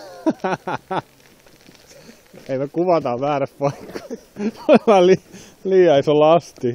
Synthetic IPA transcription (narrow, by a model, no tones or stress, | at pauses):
eimekuʋɑt̪ɑʋæːræppɑikːɑ̥ | omæli | liːɑisolɑst̪i